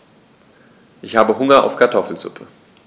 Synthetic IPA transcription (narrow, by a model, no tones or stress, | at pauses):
ʔɪçhaːbəɦʊŋɐa̰ʊfkʰaɐtʰɔfl̩zʊ̰pʰə